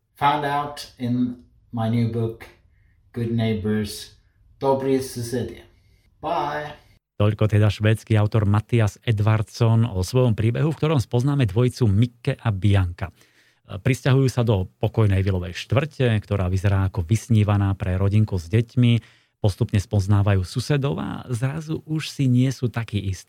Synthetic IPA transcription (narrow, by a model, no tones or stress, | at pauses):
fãʊ̃ndaʊtɪ̃n | maɪnjʉbʊk | ɡ̥ʊd̚ⁿneɪbə˞z̥ | d̥ɔbɾisɨsɪlḭə | b̥aɪ | t̪ɔʎkɔt̪ɛd̪aʃʋɛːt͡skiaʊt̪ɔɾmat̪iazɛd̪ʋaɾt̪sɔnɔsʋɔjɔmpɾiːbɛɦufk̚t̪ɔɾɔmspɔznaːmɛd̪ʋɔjt͡sumikːɛʔabiaŋka | pɾiscaɦujuːsad̪ɔpɔkɔjnɛjʋilɔʋɛjʃt̪ʋr̩cɛkt̪ɔɾaːʋizɛɾaːkɔʋisɲiːʋanaːpɾɛɾɔɟiŋkuzɟɛcmi | pɔst̪upɲɛspɔznaːʋajuːsusɛd̪ɔʊa̰zɾazuʔuʃsiɲɪɛsuːt̪akiːʔist̪i̥ː